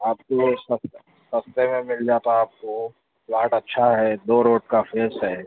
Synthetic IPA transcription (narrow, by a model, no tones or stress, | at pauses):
aːp̚kosɐs | sɐst̪emẽmɪld͡ʒaːt̪aaːp̚ko | plaːʈɐtːʃʰaɦɛd̪oːɾoːʈ̚kafeːsɦɛ